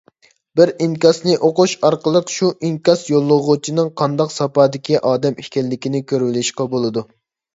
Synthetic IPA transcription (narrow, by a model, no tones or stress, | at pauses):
bɪɾiŋkʲɑsnɨʔoquʃɑɾqəlˠəqʃuʔiŋkʲɑsjolˠːəʁʊt͡ʃʰinɨŋqʰɑnd̪ɑqsɑpɑːd̪ɪkʲiʔɑːd̪ɛmikʲɛlːɪkʲinɪkʲʰøɾvɪlɪʃqɑbolˠɨd̪u